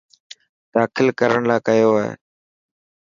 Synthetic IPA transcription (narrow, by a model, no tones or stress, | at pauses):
d̪̥aːkʰɪlkəɾəɳlaːkəjoːaːɦḛː